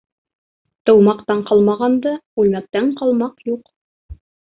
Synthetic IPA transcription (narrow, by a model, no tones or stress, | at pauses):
t̪ɤ̆wmɑqt̪ɑɴqɑlˠmɑʁɑnd̪ɤʉlmæk̚t̪æɴqɑlˠmɑqjuq